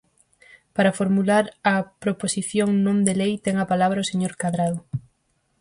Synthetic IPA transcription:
paɾɐfoɾmulaɾɐpɾoposiθjoŋnõnd̪elejt̪ɛŋɐpalaβɾɐoseɲoɾkaðɾaðʊ

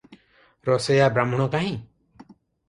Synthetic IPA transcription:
ɾɔsejabɾamɔɽ̃ɔ̃kaɦĩ

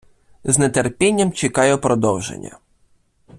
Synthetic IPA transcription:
znet̪erpʲɛnʲːɐmt͡ʃekɑjɛpɾɔd̪ɔwʒḛnʲːɐ̰

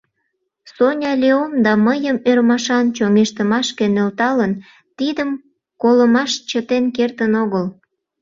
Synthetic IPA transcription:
sonʲɑlʲeomd̪ɑməjəmørmɑʃɑnt͡ɕoŋeʃt̪əmɑʃkenølt̪ɑlən | t̪id̪əm | koləmɑʃt͡ɕət̪enkert̪ənoɣəl

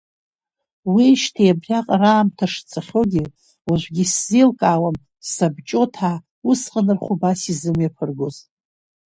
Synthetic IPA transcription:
wiʃtʰijabrʲaqʼraːmtʰaʂt͡sʰaχʲoɡʲi | waʒʷɡʲiszilkʼaːwam | sabt͡ʃʼo̞tʰa | usqʼənɨrχʷʊbasizɨmjapʰɨrɡoz

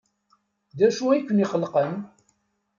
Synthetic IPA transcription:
d̪æʃuikʷːəniχəlːqən

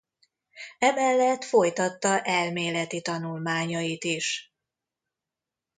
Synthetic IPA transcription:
ɛmɛlːɛt̪fo̞jt̪ɒt̪ːɒʔɛlmeːlɛt̪it̪ɒnulmaːɲɒjit̪iʃ

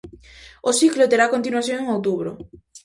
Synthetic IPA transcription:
osiklot̪eɾakont̪inuaθjõŋeŋowt̪̬uβɾʊ

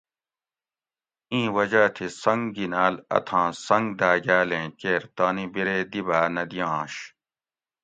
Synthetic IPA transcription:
ĩːwɐd͡ʑaːt̪ʰisɐŋɡɡinaːlɐ̰t̪ʰãːsɐ̃ŋɡd̪aːɡaːlẽːkeːɾt̪aːnibiɾeːd̪ibaːnɐd̪ijɑ̃ːɕ

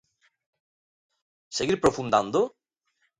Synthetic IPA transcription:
seɣiɾpɾofund̪and̪o

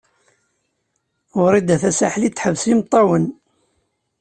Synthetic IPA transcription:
ʊɾid̪æθæsaħlit͡s̪ːħəvsimt̪ˤːɑwən

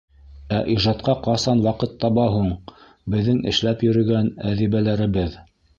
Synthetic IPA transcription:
æʔiʒɑt̪̚qɑqɑsɑnwɑqɤt̪ʰːɑβɑɦuɴ | bɘ̆ðːɘŋɘ̰̆ʃlæpjɵ̆ɾɵ̆ɡænæðiβælæɾɘ̆βɘð

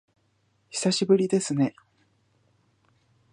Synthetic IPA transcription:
çi̥saɕibɯ̟ɾʲid̪e̞sɨne̞

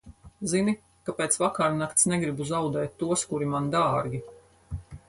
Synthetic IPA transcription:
zini | kapeːt̪svakaɾnakt̪snɛɡɾibuzawd̪ɛːt̪̚ʲːuɔskuɾimand̪aːɾɡʲi

